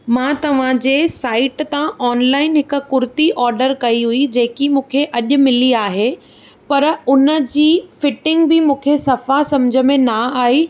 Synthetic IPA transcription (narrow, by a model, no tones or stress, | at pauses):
mãːt̪ɐʋ̤ãd͡ʑeːsaːɪʈt̪ãʔɔːnlaːɪnɦɪkʊ̆kʊɾt̪iʔɔːɾɖəɾkɐiɦuid͡ʑeːkimũːkʰeʔɐʄʊ̆mɪliaːɦe | pɐɾʊnə̆d͡ʑiːfɪʈɪ̃ŋɡbɪmũːkʰesɐfasɐ̃md͡ʑʱə̆mẽnaaːɦi